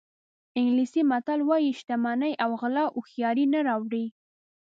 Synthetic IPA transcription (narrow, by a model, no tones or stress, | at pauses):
ɪŋɡlisimat̪alwɑjiʃt̪amanajʔawɣlɑʔʊxjɑɾinaɾɑwɽi